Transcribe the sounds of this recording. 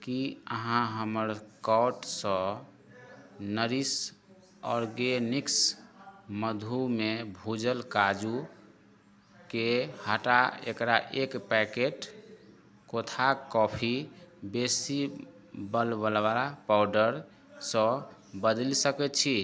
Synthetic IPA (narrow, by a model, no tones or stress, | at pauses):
kiəɦãɦəməɾkɔwʈsə̃ | nəɾis | ɔ̰ɾɡeniks | məd̪ʱumebʱud͡ʒəlkad͡ʒu | kehaʈaḛkɾaʔekpɛkeʈ | kot̪ʰakɔpʰibesi | bəlbəlʋalapawɖəɾ | sə̃bəd̪əlsəkɛt̪t͡ʃʰi